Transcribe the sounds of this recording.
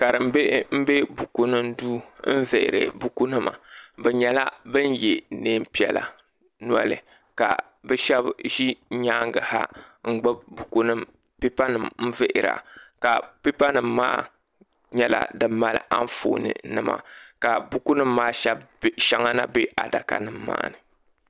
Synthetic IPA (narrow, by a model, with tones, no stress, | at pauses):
ka˨ɾɨ˨m̩˦be˦m̩˦be˦bu˨ku˦nɨ˦mduː˦m̩˦ve˨ʔɪ̰˨ɾɨ̰˨bu˨ku˦nɨ˦ma̰˨bɛ˨ɲɛ˨la˦bɨ˦n˦je˨neː˦m̩˦pi˦ɛ̰˨la̰˨ | nu˦a̰˦lɨ̰˨ | ka̰˨ | bɛ˦ʃɛ˦bʒi˦ɲaː˦ŋɡɨ˨ha̰˦ŋ̩˦ɡ͡bɨ˦bbu˨ku˦nɨ˦m | pi˦pa˦nɨ˨mm̩˦ve˦ʔɪ˨ɾa̰˨ka˨pi˦pa˦nɨ˨mːaː˦ | ɲɛ˦la̰˨dɨ˨mːa˦lɨ̰˦ʔa̰˦ɱ˦fo̰ː˨nɨ̰˨nɨ˦ma̰˨ka˨bu˦ku˦nɨ˦mːaː˦ʃɛ˦bʃa˦ŋa˦na˦be˦ʔa˨da˨ka̰˦nɨ˦mːa̰ː˦nɨ˨